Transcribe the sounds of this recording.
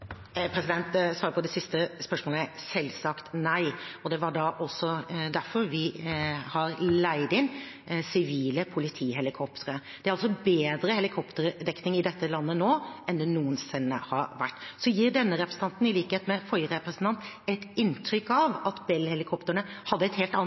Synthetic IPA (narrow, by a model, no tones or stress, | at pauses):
pʰɾɛsɪd̪ɛnt̪sʋɑːɾəpʰɔd̪ɛsɪst̪əspœʂmoːləsɛlsɑkt̪næɪɔd̪ɛʋɑɖɑʔɔlsɔd̪æɾfɔɾʋɪhɑɾlæɪd̪ɪn | sɪʋiːləpʰʊlɪt̪ʰiːɦɛlɪkʰɔpt̪ʰəɾəd̪̥ɛæɾɑls̬ɔbeːd̪ɾəhɛlɪkʰɔpt̪əɾəd̪ɛkːnɪŋɪd̪ɛt̪ːəlɑnːənoːɛnd̪ɛnuːənsɪnːə̰hɑɾʋæʈːsɔjiːɾɖɛnːəɾɛpɾəsn̩t̪ɑnt̪n̩ɪliːkəheːt̪mɛfɔʏəɾɛpɾəsənt̪ɑnt̪ɛt̪ɪnt̪ʰɾʏkːɑʋɑt̪bɛlhɛlɪkʰɔpt̪əɳəhɑd̪ːəɛt̪heːlt̪ɑn